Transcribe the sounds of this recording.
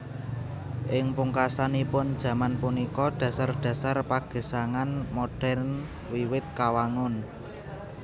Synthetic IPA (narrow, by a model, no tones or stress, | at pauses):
ʔɪŋpuŋkasanipʊnd̥ʒ̥ä̤manpunikɔɖ̥ä̤sarɖ̥a̤sarpaɡ̥e̤saŋanmoɖ̥ɛ̤rn | wiwɪt̪̚kawaŋʊn